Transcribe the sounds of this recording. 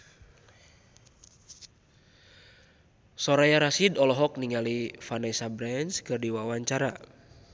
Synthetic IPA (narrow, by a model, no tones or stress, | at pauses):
sɔɾajaɾasidɔlɔɦɔk̚niŋalifanɛsabɾɛnskɨrdiwawaɲt͡ʃaɾa